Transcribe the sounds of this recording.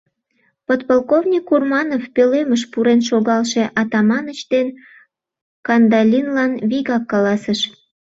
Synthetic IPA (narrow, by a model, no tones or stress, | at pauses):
pot̪̚polˠkovnʲikːurmɑnofpøleməʃpuɾenʃoɣɑlʃe̽ʔɑt̪ɑmɑnət͡ɕt̪en | kɑnd̪ɑlʲinlɑnβiɣɑkːɑlɑsəʃ